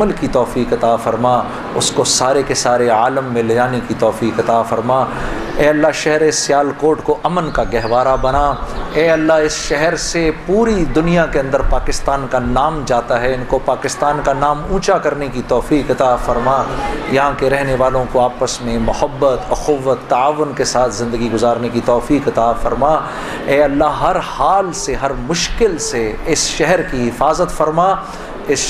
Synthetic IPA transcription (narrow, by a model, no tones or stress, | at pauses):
əlkit̪ɔːfiːkɐt̪afɐɾmaː | ʊskosaːɾekesaːɾeaːləmːẽlɐd͡ʒaːnekit̪ɔːfiːkɐt̪aːfɐɾmaː | ɛːɐlːaɦʃɛɦɾesːɪjaːlkoːɾʈkoʔɐmənkaɡɛɦʋaːɾabɐnaːɛːɐlːaɪsʃɛɦɛɾsepuːɾid̪ʊnijakeɐ̃nd̪əɾpaːkɪst̪aːnkanaːmd͡ʒaːt̪aɦɛɪnkopaːkɪst̪aːnkanaːmũːt͡ʃakɐɾnekit̪ɔːfiːqɐt̪afɐɾmaːjɐɦãkeɾɛɦneʋaːlõkoaːpəsmẽmʊhəbːət̪ɐxʊʋːət̪ːaaːʋʊnkesaːt̪ʰzɪ̃nd̪əɡiɡʊzaːɾnekit̪ɔːfiːqɐt̪afɐɾmaː | ɛːɐlːaɦɦɐɾhaːlseɦɐɾmʊʃkɪlseɪsʃɛɦɛɾkiɦɪfaːzət̪fɐɾmaː | ɪs